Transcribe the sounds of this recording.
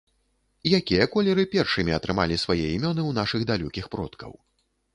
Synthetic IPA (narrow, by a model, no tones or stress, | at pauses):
ijakʲijɐkɔlʲɛɾɨpʲɛrʂɨmʲiɐt̪ɾɨma̰lʲisvajɛimʲɔnɨwn̪aʂɨɣd̪alʲukʲixpɾɔ̰t̪kɐ̰w